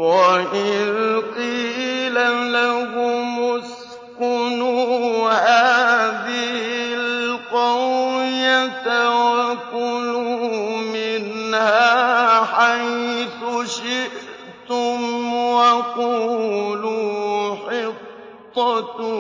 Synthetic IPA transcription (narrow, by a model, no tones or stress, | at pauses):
waʔɪðqilalahʊmʊs | kʊnuhaːðɪhɪlqɑwjat̪awakunumɪnhaːħajθʊʃɪʔ | t̪ʊmwaquːluːħɪt̪ˤː | ɑt̪